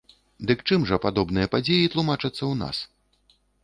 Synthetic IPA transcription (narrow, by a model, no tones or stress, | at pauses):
d̪ɨkt͡ʂɨmʐɐpad̪ɔbnɨjɐpad͡zʲejit̪lˠumat͡ʂɨt̪sːɐwna̰s